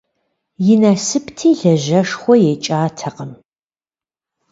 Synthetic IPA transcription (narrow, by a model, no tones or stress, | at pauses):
jɪnaːsɨptʰiːɮɐʑɐʂχʷɔjeːt͡ʃʼaːtʰɐqəm